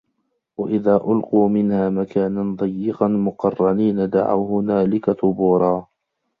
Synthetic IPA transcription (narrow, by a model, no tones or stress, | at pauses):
waʔɪðaːʔʊlquːmɪnhaːmakaːnand̪ˤɑjːɪqɑnmʊqɑrˤːɑniːnad̪a̰ʕa̰whʊnaːlɪkat̪ʊbuːɾˤɑː